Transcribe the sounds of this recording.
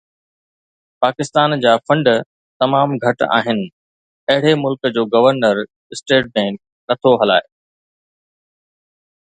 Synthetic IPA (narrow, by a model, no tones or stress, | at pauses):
paːkɪst̪aːnd͡ʑaːfɐ̃ɳɖ | t̪ɐmaːmɡʱɐʈa̰ːɦɪnɪ̆ | ɐɦɪɽemʊlkd͡ʑoːɡɐʋəɾnəɾ | ɪsʈeːʈ̚bɛ̃ːŋk̚ | nɐt̪ʰoɦɐla̰ːe